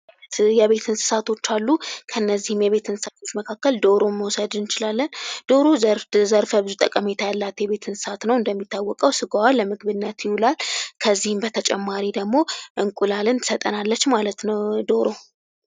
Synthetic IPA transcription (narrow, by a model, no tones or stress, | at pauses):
jɛβe̞t̪ʰɨnsɨ̥sat̪ʰo̞t͡ʃːalːukʰəɨnːəzːihɨmjɛβe̞t̪ɨnsɨsat̪ʰo̞t͡ʃːməkʰakːəld̪o̞ɾo̞mːəwɔsəd̪ɨnt͡ʃɪlalːənd̪̥o̞ɾozɾzəɾfəbɨzut̪ʼəkʼəme̞t̪ʰajalːat̪jɛβe̞t̪ʰɨnsɨsat̪nəwɨnd̪əmːit̪ʰːawːɔkʼəwsɨɡawalːəmɨɡβɨnːət̪jɪhulalkʰəzːihɨmbət̪ʰət͡ʃʼɛ̰mːaɾid̪əɡmo̞ʔɨŋkʼulalɨnt̪sət̪ʼə̰nalːət͡ʃːmalət̪nəwd̪o̞ɾo̞